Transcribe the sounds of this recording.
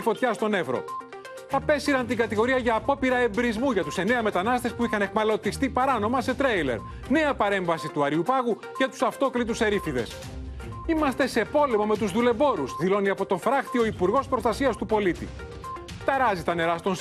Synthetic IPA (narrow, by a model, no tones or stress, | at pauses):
fo̞t̪çɐst̪o̞ne̞vɾo̞̰ | ɐpe̞siɾɐnt̪iɡɐt̪iɣo̞ɾiɐʝɐːpo̞piɾɐe̞bɾizmuʝɐt̪use̞ne̞ɐme̞t̪ɐnɐst̪e̞spuixɐne̞xmɐlo̞t̪ist̪ipɐɾɐno̞mɐse̞t̪ɾejle̞̰ɾ | ne̞ɐpɐɾe̞ɱvɐsit̪uɐɾiupɐɣu | ce̞t̪u̥sɐft̪o̞klit̪use̞ɾifiðe̞̰s | imɐst̪e̞se̞po̞lemɐme̞t̪uzðule̞bo̞ɾuzðilo̞niɐpo̞t̪o̞fɾɐxt̪io̞ipuɾɣo̞spɾo̞st̪ɐsiɐst̪upo̞lit̪ḭ | t̪ɐɾɐzit̪ɐne̞ɾɐst̪o̞n